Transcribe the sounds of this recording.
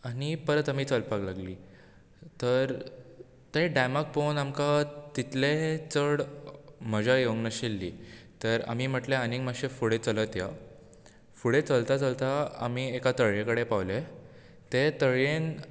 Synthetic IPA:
anipəɾət̪amiːt͡səlpaklaɡliː | t̪əɾ | t̪eɖamak̚ponamkat̪it̪let͡səɽm̤əd͡ʑajoɡnəɕilːiːt̪əɾa̰m̤iːm̤əʈleaniŋɡməɡɕefuɽet͡sələt̪ja | fuɽet͡səlt̪at͡səlt̪aa̰m̤iːekat̪əɭjẽkəɽepaʋle | t̪et̪əɭjen

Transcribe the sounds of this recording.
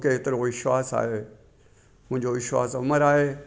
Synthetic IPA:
kʰeɦɪt̪ɪɾoʋɪʃwaːsa̰ːɦe | mʊ̃ɦɪ̃ɲd͡ʑoʋɪʃʋa̰ːsʊməɾaːɦeː

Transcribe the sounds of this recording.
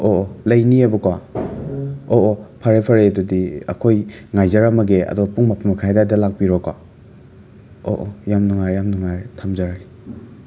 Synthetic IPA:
oʔolɐjniebɐka | oʔopʰaɾepʰaɾedodiɐ̰kʰojŋajzaɾamɐɡeɐ̰dɔpuŋmapʰumakʰajdadɐlak̚piɾɔka | o̰ʔojamnɔŋaɾjamnuŋaɾetʰamzaɾae

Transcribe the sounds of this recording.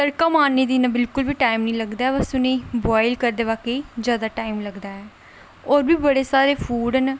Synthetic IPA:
t̪əɾkaːmaːnːeːd̪iːnãːbɪlkʊlbiːʈaːɪmnĩːləɡd̪aːɛːbəsʊnẽːbaːɪlkəɾd̪eːʋaːkeːd͡ʒjaːd̪aːʈaːimləɡd̪aːɛː | oːɾbiːbəɽeːsaːɾeːfʰuːɖən

